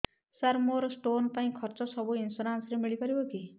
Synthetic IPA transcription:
saɾmoɾɔsʈonpaĩkʰɔɾt͡sɔsɔbuinsoɾansɾemiɭipʌɾiboki

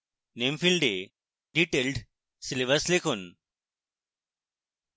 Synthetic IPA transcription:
neːmfilɖe | ɖiʈelɖ | sileʋɐslekʰon

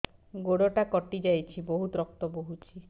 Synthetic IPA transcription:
ɡoɽɔʈakɔʈid͡ʒajt͡ʃʰibɔɦut̪ɾɔk̚t̪ɔboɦut͡ʃʰi

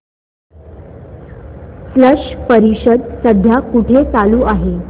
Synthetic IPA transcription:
fləʂpəɾiɕəd̪səd̪ʱjakuʈʰet͡saluːʔaɦe

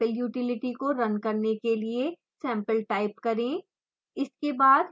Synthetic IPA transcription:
əljuːʈɪlɪʈikoɾɐnkɐɾnekelie | sɛ̃ːmpəlʈaːɪpkɐɾẽː | ɪskebaːd̪

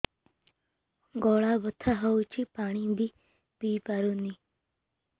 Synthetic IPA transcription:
ɡoːɭaːbət̪ʰaɦəut͡ʃʰiːpaːɳ̃ĩːb̪iː | piːpaɾuːniː

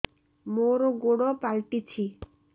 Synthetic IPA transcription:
moɾoɡoɽopalʈit͡ɕʰi

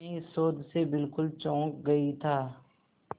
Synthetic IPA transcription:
eɪsoːd̪sebɪlkʊlt͡ʃɔ̃ːk̚ɡɐit̪ʰaː

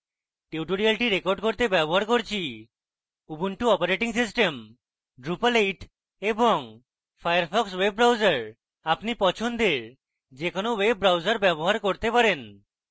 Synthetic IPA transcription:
ʈeuʈoɾialʈiɾekoɾɖkoɾt̪ebɛboɦaɾkoɾt͡ɕʰi | ubuɳʈuɔpaɾeʈiŋsis̬ʈem | ɖɾupalejʈ | eboŋ | fʰajaɾpʰɔksweb̚ːɾawd͡ʑaɾ | apnipɔt͡ɕʰond̪eɾ | d͡ʑekonowebːɾawd͡ʑaɾbɛboɦaɾkoɾt̪epaɾen

